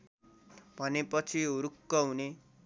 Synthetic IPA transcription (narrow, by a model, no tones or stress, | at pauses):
bʱʌnepʌt͡sʰiuɾukːʌɦune